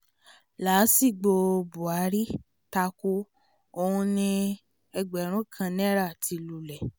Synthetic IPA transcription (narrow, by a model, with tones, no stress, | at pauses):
la˨˦si˦˨ɡ͡bo˧bu˨a˨˦ɾi˦ | ta˧ku˧ | o˧ũ˧nĩ˧ | ɛ˧ɡ͡bɛ˨˦ɾ̃ũ˨˦kʰã˧nɛ̃˦ɾa˦˨tʰi˨˧lu˨lɛ˨